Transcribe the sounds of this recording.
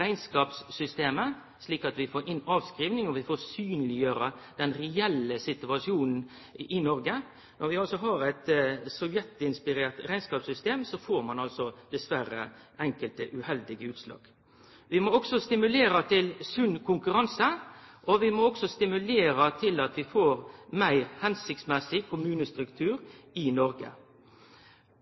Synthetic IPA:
æɪnskɑːpsːʏst̪eːmə | sliːkɑt̪ʋɪfoːɾʔɪnːɑːʋskɾiːʋnɪŋɔʋɪfoːɾsyːnəlɪjøːɾəd̪̥ɛnɾɛɛlːəsɪt̪ʉɑʂɪuːnn̩ | ʔɪnɔɾɡə | nɔɾʋɪɑlsɔɦɑɾæɪt̪sɔʋjɛt̪ɪnspɪɾeːʁt̪ɾæɪnskɑːpsʏst̪eːmsɔfoːɾmɑnɑlsɔd̪̥ɛsʋæɾə̰ɛŋkəlt̪əʔʉhɛld̪ɪɡəʉːt̪slɑ̰ːɡ̥ | ʋɪmɔɔɡsɔst̪ɪmʉleːɾət̪ʰɪlsʉnːkʰʊŋkʉɾɑnsəʔɔʋɪmɔɔɡsɔst̪ɪmʉleːɾət̪ʰɪlɑt̪ʋɪfoːɾmæɪʁhɛnsɪkt̪smɛsɪkʰʊmʉːnəst̪ɾʉkt̪ʰʉːɾɪnɔɾɡə̰

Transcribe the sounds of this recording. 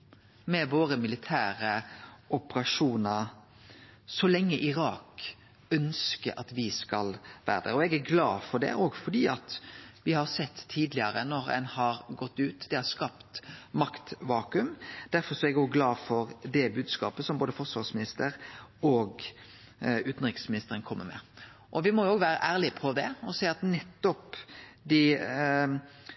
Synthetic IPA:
mɛʋoːɾəmɪlɪt̪ʰæːɾəʊpəɾɑʂuːnəɾ | sɔlɛŋːəʔɪɾɑːk | œnskəɾʔɑt̪ʋɪskɑlʋæ̰ːɾəd̪æ̰ɾɔɛɡæɾɡlɑːfɔɖɛ̰ʔoːɡfɔɖ̪iːɑt̪ʋɪhɑɾsɛt̪ʰːiːd̪lɪəɾənɔɾɛ̰nhɑɾɡɔt̪ːʉːt̪d̪̥ɛhɑɾskɑpt̪mɑkt̪ʋɑːkʉmd̪̥æɾfɔɾsɔɛɡɔːɡɡlɑːfɔɾd̪ɛbʉːd̪skɑ̰ːpəsɔmboːd̪əfɔɾsʋɑɾsmɪnɪst̪əɾɔɡ | ʉːt̪n̩ɾɪksmɪnɪst̪əɾənkʰɔmːəɾmɛ̰ | ʔɔʋɪmɔjʊoːɡʋæːɾə̰ʔæːɾlɪpʰɔd̪ɛɔsæɪɑt̪nɛt̪ːɔpd̪ɪ

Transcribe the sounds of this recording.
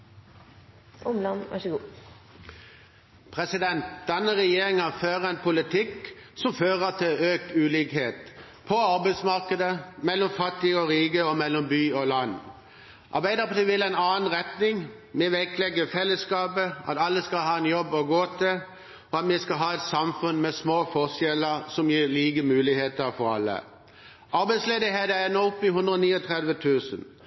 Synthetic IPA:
ʔʊmlɑnʔæ̰ʂəɡuː | pʰʁɛsɪd̪ɛnt̪d̪̥ɛnːəʁɛjeːʁɪŋəføːʁəɛɪnpʊlɪt̪ʰɪksɔmføːʁəʁt̪ʰɪøːk̚t̪ʉːliːkheːt̪ | pʰɔɑʁbæɪsmɑʁkəd̪əmɛlːɔmfɑt̪ːɪɔʁiːɡəɔmɛlːɔmbyːɔlɑnː | ʔɑ̰ʁbæɪd̪əpt̪əʋɪlæɪnɑːn̩ʁɛt̪nɪŋ | mɛʋæklɛɡːəfɛlːəskɑːpəʔɑ̰t̪ɑlːəskɑlɦɑːɛnjɔbːɔɡoːt̪ʰɪ | ɔɑt̪mɛskɑlɦɑːɛt̪sɑmfʉnmɛsmoːfɔʁsjɛləʁsɔmjiːʁliːɡəmʉːlɪheːt̪əʁfɔʁɑ̰lːə̰ | ʔɑɾbæɪsleːd̪ɪheːd̪əɛnːɔʊpːɪɦʉnd̪ʁəɔniːɔt̪ʰʁɛd̪ʋət̪ʰʉːsən

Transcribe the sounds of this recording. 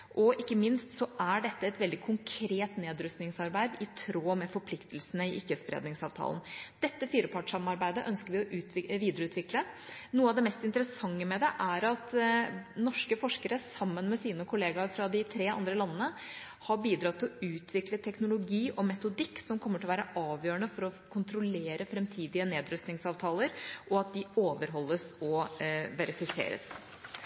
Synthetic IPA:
ʔɔʔɪkːəmɪnst̪sɔʔæɖɛt̪ːəɛt̪ʋɛld̪ɪkʰʊŋkʰɾeːt̪neːd̪ɾʉst̪nɪŋsɑɾbæɪd̪ɪt̪ʰɾoːmɛfɔɾpʰlɪkt̪əlsənəɪʔɪkːəsbɾḛːd̪nɪŋsɑːʋt̪ʰɑ̰ːlnd̪̥ɛt̪ːəfiːɾəpʰɑʈʂɑmɑɾbæɪd̪əʔœnskəɾʋɪɔʔʉːt̪ʋɪʋiːd̪əɾəʉːt̪ʋɪklənuːəɑʋd̪ɛmɛst̪ɪnt̪əɾəsɑŋːəmɛd̪ɛʔæɾɑt̪ | nɔʂkəfɔʂkəɾəsɑmːənmɛsiːnəkʰʊleːɡɑɾfɾɑd̪ɪt̪ʰɾeːɑ̰nd̪ɾəlɑnːənə | hɑɾbiːd̪ɾɑt̪ʰːɪlɔʉːt̪ʰʋɪklət̪ʰɛknʊlʊɡiːʔɔmɛt̪ʊd̪ɪkːsɔmkʰɔmːəʈ̪ʰɪlʋæːɾəʔɑːʋjøːɾəɳəfɔɾɔkʰʊnt̪ɾʊleːɾəfɾɛmt̪ʰiːd̪ɪəneːd̪ɾʉst̪nɪŋsɑːʋt̪ʰɑːləɾʔɔɑt̪̚d̪ɪoːʋəɾɦɔlːəsɔʋɛɾɪfɪsḛːɾə̰s

